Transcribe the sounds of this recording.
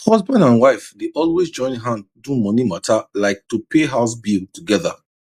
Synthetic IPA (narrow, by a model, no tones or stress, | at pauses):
hɔzbãndãnwaɪfdeʔɔlwesd͡ʒɔ̃ɪ̃nɦãndũmɔnimatʰalaɪk̚tupʰeɦaʊsbiltuɡɛða̰